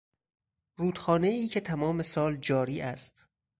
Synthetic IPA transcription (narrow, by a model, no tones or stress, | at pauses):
ruːd̪xɒːneiːcʰe̞t̪ʰæmɒːme̞sɒːld͡ʒɒːɾiːʔæst̪